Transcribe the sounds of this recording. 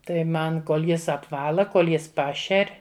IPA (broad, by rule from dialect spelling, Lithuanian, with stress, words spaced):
ˈtɐɪ ˈmɐn ˈkoːlˠ ˈjɪs ɐpˈʋɑːlˠɐ ˈkoːlˠ ˈjɪs ˈpɑːʃʲɛrʲ